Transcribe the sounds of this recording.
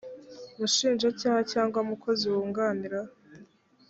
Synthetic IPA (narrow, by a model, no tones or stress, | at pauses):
muʃiːnʒacaːhacaːŋɡwamukʰo̞ziwuːŋɡaːniɾa